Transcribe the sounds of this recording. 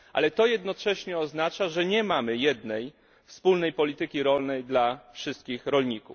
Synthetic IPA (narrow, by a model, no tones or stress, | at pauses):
ʔa̰lɛt̪ɔjɛd̪nɔt͡ʂɛɕɲɛɔznat͡ʂaʐɛɲɛmamɘjɛd̪nɛj | fspulnɛjpɔlʲit̪ɘkʲiɾɔlnɛjd̪lafʂɘst̪̚kʲixɾɔlɲikṵf